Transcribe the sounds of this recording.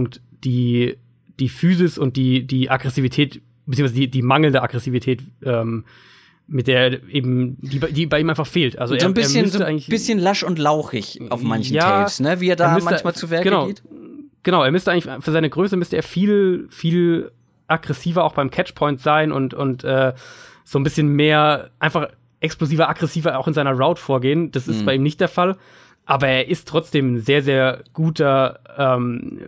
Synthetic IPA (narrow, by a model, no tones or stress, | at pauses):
ʊŋk̚t | d̥iː | d̥iːfyːzɪsʊnt̚d̥iːdiːʔaɡʁɛsiːvitʰɛːt | b̥t͡siːŋsazdiːdiːmaŋl̩ndəa̰ɡʁɛsiːvitʰɛːtʔɛːm | mɪt̚d̥eːɐʔeːbm̩d̥iːbadiːbaɪʔiːmaɪnfaχfeːltʔa̰lzoezoːnbɪeːɐməstəʔaɪɡŋ̩lɪçb̥ɪsçənlaʃʊntlaʊxɪçʔa̰ʊfmançnjaːasnəviːeːɐdaːmmʏsmaənçmaːlt͡suvɛɐɡənaʊeːtɡ̥ənaʊeːɐmʏstəaɪŋlɪçfyːɐzaɪnəɡʁøːs̬əmʏstəeːɐfiːlfiːl | ʔaɡʁɛsiːvɐaʊxb̥aɪmkʰɛt͡ʃpʰɔʏntz̥aɪnʔʊntʊntʔɛː | z̥oːnbɪsçənmeːɐʔaɪnfaχ | ʔɛkskloziːvɐaɡʁɛsiːvɐaʊxɪnzaɪnɐʁaʊtfoːɐɡeːənd̥asɪstb̥aɪʔiːmnɪçtd̥eːɐfal | ʔaːbɐeːɐʔɪstʁ̥ɔt͡sd̥eːmnzeːɐzeːɐɡ̥uːtɐʔɛːm